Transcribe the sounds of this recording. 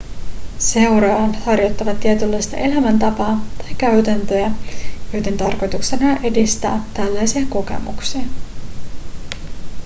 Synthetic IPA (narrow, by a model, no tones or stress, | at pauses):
se̞wɾɑɑnhɑrjo̞t̪ːɑʋɑt̪ːiet̪ylːɑjst̪ɑ̰ʔe̞læmænt̪ɑpɑːt̪ɑjkːæɥt̪ænt̪øæjojt̪ent̪ɑrko̞jt̪ukse̞nɑʔe̞dist̪æ̰ːt̪ælːæjsiɑko̞ke̞̰mṵksiɑ